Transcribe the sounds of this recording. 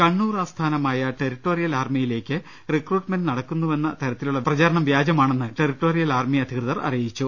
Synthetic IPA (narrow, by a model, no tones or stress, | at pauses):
kɐɳːuːraːst̪ʰaːnɐmaːjɐʈeɾiʈːo̞ːrijɐlaːrmijile̞ːkʲːɨ | rikruːʈmendnɐɽɐkːunːuʋe̞nːɐt̪ɐɾɐt̪ːiluɭːɐprɐt͡ɕaːɾɐɳɐmʋjaːd͡ʑɐmaːɳe̞nːɨʈeriʈːo̞ːrijɐlaːrmiɐd̪ʱikrɨðɐrɐ̰rijit͡ɕːu